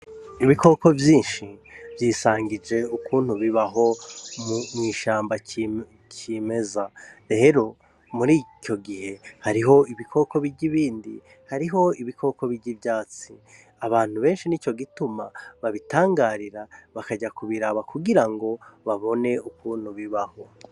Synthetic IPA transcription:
iβiko̞ko̞vjiːnʃivjiːsaːŋɡid͡ʒe̞ukuːn̥huβiβaɦo̞mmŋiːʃaːmba | cime̞zaeɾo̞ | muɾiːco̞ɡihe̞haɾiɦo̞iβikʰo̞ko̞βiɟiβiːndḭ | haɾiɦo̞iβiko̞ko̞βiɾɟivjaːt͡si | aβaːn̥huβe̞ːnʃinit͡ʃo̞ɡitumaβaβitaːŋɡaːɾiɾaβakaɟakuβiɾaβakuɡiɾaŋɡo̞βaβo̞ne̞ukuːn̥huβiβaho̞

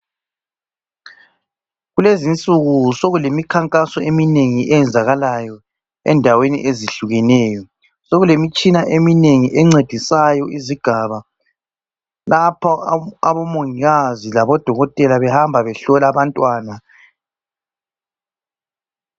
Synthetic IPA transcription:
ɣulezint͡sʼuɣusoɣulemikʰaŋkʼasɔemineŋiʔɛjɛnd͡zʱaɣalajɔ | ɛ̰ndʱawenḭʔeziɬuɣɛnɛːjɔ | soɣulemit͡ʃʼinaʔemineŋiʔɛŋ͡ǀed̥ʱisajɔʔiziɡ̥ʱaβa | lapʰɔaβɔmoŋiɣazilaβɔd̥ʱɔɣɔtʼɛlaβɛhambʱaβɛɬɔlaβantʼwaːna

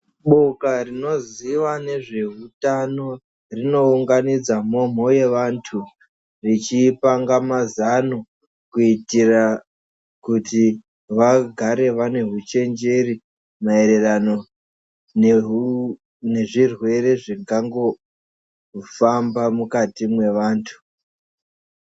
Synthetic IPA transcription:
ɓo̞karino̞ziʋane̞ʐe̞ɦutano̞ | rino̞uŋɡanid͡zamo̞m̤o̞je̞ʋantʰu | rit͡ʃipaŋɡamazano | kuitira | kuti | ʋaɡʱaɾe̞ʋane̞ɦut͡ʃe̞nd͡ʒe̞ri | mae̞ɾe̞rano | n | ne̞ʐirwe̞ɾe̞ʐiŋɡaŋɡo̞ | fambamukatimwe̞ʋaːntʰu̥

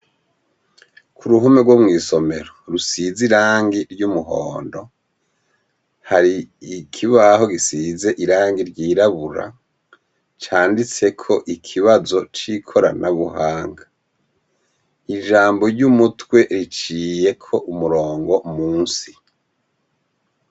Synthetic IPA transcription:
kʰuɾuɦumeɡwomŋiːso̞me̞ɾoɾusiziɾaːŋɡiɾɟumuɦo̰ːndo̞ | haɾiikʰiβaho̞ɡisize̞ʔiɾaːŋɡiɾɟiːɾaβuɾa̰ | t͡ʃaːndit͡se̞kʰo̞ʔikʰiβazo̞t͡ʃikʰo̞ɾa̰naβuhaːŋɡa | iʒaːmbo̞ɾɟumutwe̞ɾit͡ʃiːje̞kʰo̞ʔumuɾoːŋɡo̞muːnsi

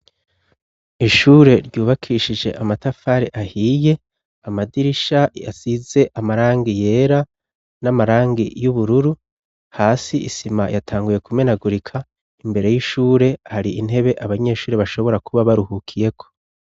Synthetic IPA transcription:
iʃuːɾe̞ɾɟuːβakʰiʃid͡ʒe̞̰ʔamatafaːɾeʔahiːje̞ | amadiɾiʃaja̰size̞ʔamaɾaːŋɡije̞ːɾa | namaɾaːŋɡijuβuɾuɾu | haːsiḭsimajatʰaːŋɡuje̞kume̞naɡuɾikʰa | imbe̞ɾe̞jiʃuːɾe̞haɾiin̥e̞βe̞ʔaβaɲe̞ːʃuːɾe̞βaʃo̞βo̞ɾakuβaβaɾuhukʰije̞kʰo̞̥

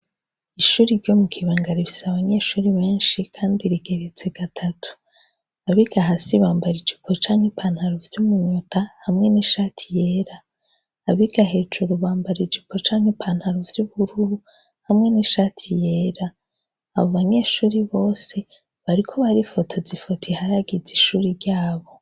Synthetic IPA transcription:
iʃuːɾiɾɟo̞mukʰiβaːŋɡaɾiβisaβaɲe̞ːʃuːɾiβe̞ːnʃikʰaːndiɾiɡe̞ɾet͡se̞ɡ̥atʰatʰu̥ | aβiɡ̥aɦasiβaːmbaɾid͡ʒipʰo̞t͡ʃaːŋhipʰan̥haɾovjumuɲutʰahamŋe̞niʃaːtʰijeːɾaː | βiɡ̥aɦe̞ːd͡ʒuɾuβaːmbaɾid͡ʒipʰo̞t͡ʃaːŋhepʰaːn̥haɾovjuβuɾuu | hamŋe̞niʃaːtʰije̞ːɾaː | βo̞βaɲe̞ːʃuːɾiβo̞ːse̞ | βaɾikʰo̞βaɾifo̞tʰo̞zifotʰihaɾaɡiziʃuːɾiɾɟaːβo̞

